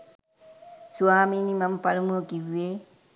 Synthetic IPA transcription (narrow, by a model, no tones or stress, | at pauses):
suwaːminimɐmpɐlumoːkiʋːeː